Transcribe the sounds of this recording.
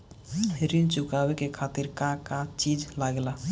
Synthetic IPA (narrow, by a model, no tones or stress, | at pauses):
ɾint͡ʃukabekekʰat̪iɾkakat͡ʃid͡ʒlaɡla